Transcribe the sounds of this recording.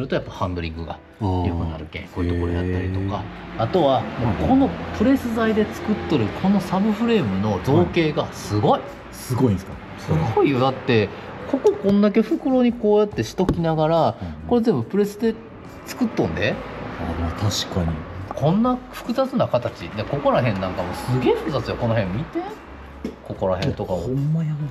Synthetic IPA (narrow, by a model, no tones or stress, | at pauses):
soɾɯ̟t̪o̞japːahãmb̪ɯɾʲḭ̃ŋɡɯ̟ɡa̰ | jɯkɯna̰ɾɯ̟kḛ̃ŋkoːiɯt̪okoɾojat̪ːaɾʲit̪o̞ka | at̪o̞βamokʰo̞no̞pɯ̟ɾe̞sɨzaid̪e̞t͡sɨ̥kɯ̟t̪ːoɾɯ̟kʰo̞no̞sabɯ̟ɸɯ̟ɾe̞ːmɯ̟no̞d͡zoːke̞ːɡasɨɡo̞i | sɨɡo̞ĩnsɨ̥ka | sɨɡoijo̞d̪at̪ːe̞ | ko̞ko̞kõ̞nd̪ak̬e̞ɸɯ̟kɯ̟ɾo̞ːɲ̟iko̞ːjat̪ːe̞ɕi̥t̪o̞kʲinaɡaɾako̞ɾe̞zẽ̞mbɯ̟pɯ̟ɾe̞sɨd̪e̞ | t͡sɨ̥kɯ̟t̪ːõnd̪e̞ | t̪ʰaɕi̥kaɲikʰõ̞nːaɸɯ̟̥kɯ̟zat͡sɨnakat̪at͡ɕineko̞ko̞ɾaɦẽ̞nːãŋkamo̞sɨɡe̞ːɸɯ̟kɯ̟zat͡sɨjoko̞no̞ɦẽmːit̪e | ko̞ko̞ɾa̰ɦẽ̞nt̪o̞kaoaa